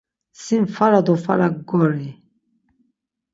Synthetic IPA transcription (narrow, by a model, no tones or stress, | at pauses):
sinfaɾad̪ɔfa̰ɾakɡɔɾi